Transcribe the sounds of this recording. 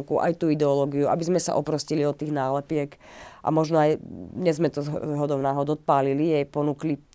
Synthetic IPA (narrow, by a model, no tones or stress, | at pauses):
kuʔa̰jt̪uːid̪ɛɔlɔɡiuʔa̰bizmɛsa̰ʔɔpɾɔsciliɔt̪ːiːɣnaːlɛpɪɛkʔa̰mɔʒnɔajɲɛzmɛt̪ɔzzɦɔd̪ɔʊnaːɦɔd̪ɔt̪̚paːlilijɛjpɔnuːkli